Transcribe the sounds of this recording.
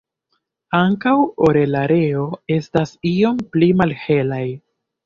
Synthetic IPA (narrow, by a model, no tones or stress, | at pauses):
aŋkawo̞ɾe̞laɾe̞o̞e̞stasio̞mplimalhe̞laj